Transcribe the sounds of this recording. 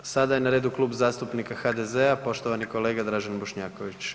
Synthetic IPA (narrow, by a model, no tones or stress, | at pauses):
sad̪ajenaɾeːd̪uklˠuːbzaːst̪upnikaxad̪ezeapo̞ʃt̪oʋaniko̞le̞ːɡad̪ɾaʒanbo̞ʃɲaːko̞ʋit͡ɕ